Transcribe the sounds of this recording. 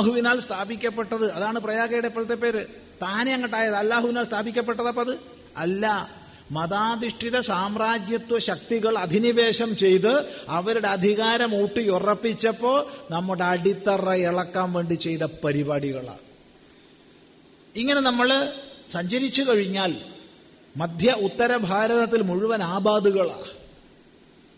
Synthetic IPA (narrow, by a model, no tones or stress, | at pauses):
ɦuʋinaːlst̪ʰaːbikʲːɐpːe̞ʈːɐðɨɐðaːɳɨprɐjaːɣɐjɽepːɐðɐt̪ːep̬ːe̞ːɾɨ | t̪aːneɐŋːɐʈːaːjɐðɐlːaːɦuʋinaːlst̪ʰaːbʱikʲːɐp̬ːe̞ʈːɐðɐpːoɐðɨ | ɐlːɐ | mɐðaːd̪iʂʈiɾɐsaːmraːd͡ʑjɐt̪ːwɐɕɐk̚t̪iɣɐɭɐd̪ʱiniʋe̞ːɕɐmt͡ɕe̞jt̪ɨɐʋɐɾuɽe̞ɐd̪ʱiɣaːɾɐmuːʈːɨjurɐpːit͡ɕːɐpːo̞ːɭnɐmːuɽeɐɽit̪ːɐrɐeɭɐkːaːmʋe̞ːɳɖit͡ɕe̞jt̪ɐpɐɾibaːɽiɣɐɭa̰ː | iŋːɐne̞nɐmːɐɭsɐɲd͡ʑɐɾit͡ɕːukɐɻiɲːaːl | mɐd̪ʱjɐut̪ːɐɾɐbʱaːɾɐðɐt̪ːilmuɻuʋɐnaːbaːd̪uɣɐɭa̰ː